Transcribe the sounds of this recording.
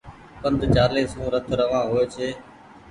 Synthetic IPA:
kənd̪ʱt͡ʃaːɾleːsũːɾət̪ʰɾəʋãːɦoeːt͡ʃʰeː

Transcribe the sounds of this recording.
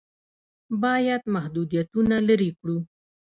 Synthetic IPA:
bɑjad̪mahd̪ud̪ijat̪unalaɾikɽu

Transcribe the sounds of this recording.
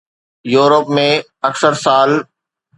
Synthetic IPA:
juːɾəpmẽ | ɐksəɾsaːl

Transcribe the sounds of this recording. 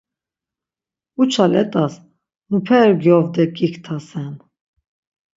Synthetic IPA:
ut͡ʃʰalɛt̪ʼas | mupʰɛɾɡjɔvd̪ɛkʼikʰt̪ʰasɛn

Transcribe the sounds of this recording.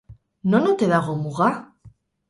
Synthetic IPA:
nonot̪eðaɣomuɣa

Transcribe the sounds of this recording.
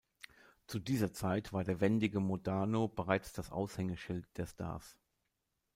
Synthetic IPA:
t͡sudiːzɐt͡saɪtv̥aːɐdeːɐvɛndɪɡəmodaːnobəʁaɪt͡sd̥asʔa̰ʊshɛŋəʃɪlt̚d̥eːɐstʰa̰ɐs

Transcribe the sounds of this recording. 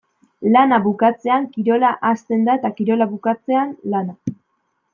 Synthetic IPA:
lanaβukat͡se̞aŋkiɾo̞laʔast̪e̞nd̪aet̪akiɾo̞laβukat͡se̞anlana

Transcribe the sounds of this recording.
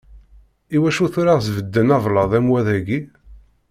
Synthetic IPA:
iwæʃuθuɾaʁzvəd̪ːənɑvləðˤæmwæðæɡi

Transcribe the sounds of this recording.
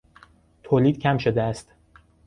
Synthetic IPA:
t̪ʰoːliːd̪̥̚cʰæmʃo̞d̪eæst̪

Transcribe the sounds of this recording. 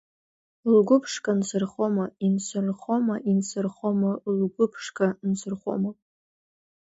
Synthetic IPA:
lɡʷʊpʰʂkʼansɨrχomainsɨrχomaʔinsɨrχomalɡʷʊpʰʂkʼansɨrχʷo̰mapʼ

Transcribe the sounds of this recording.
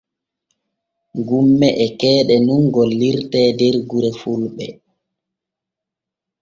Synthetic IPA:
ɡumːɛʔɛkɛːɗɛnuŋɡɔlːiɾtɛːdɛɾɡuɾɛfulɓɛ

